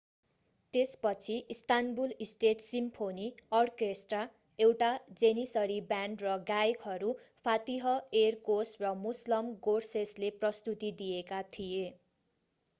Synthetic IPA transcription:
t̪espʌt͡sʰiʔist̪anbulisʈeʈsimpʰoniʌrkesʈra | ewʈad͡zenisʌɾibaɳɖrʌɡaekɦʌɾupʰat̪iɦʌerkosrʌmuslʌmɡorsesleprʌst̪ut̪id̪ijekat̪ʰije

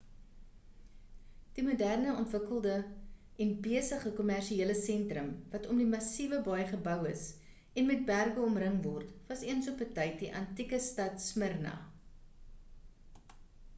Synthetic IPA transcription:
d̥imudærnəɔntvəkəlˠdə | ɛnbiəsəχəkɔmærʃieələsɛntrəmvɐtɔmdimɐsivəbɐjχəbœwəs | ɛnmɛt̚bærɡəɔmrəŋvɔrtvɐsiənsɔpətəjt̚diʔɐntikəstɐtsmərnɐ̰

